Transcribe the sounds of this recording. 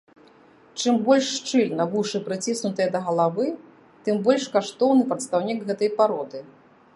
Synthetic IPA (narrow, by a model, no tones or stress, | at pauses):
t͡ʂɨmbɔlʲʂːt͡ʂɨlʲnɐvuʂɨpɾɨt͡sʲisnut̪ɨjɐd̪ɐɣɐlˠavɨ | t̪ɨmbɔlʲʂkaʂt̪ɔwnɨpɾɐt̪st̪awnʲikɣɛt̪ɐjpaɾɔd̪ɨ